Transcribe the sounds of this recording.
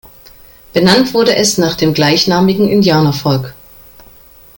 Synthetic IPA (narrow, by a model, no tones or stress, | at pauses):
b̥ənantv̥ʊɐɾəʔɛsnaːχd̥eːmɡlaɪçnaːmɪɡŋ̩ʔɪndjaːnɐfɔlk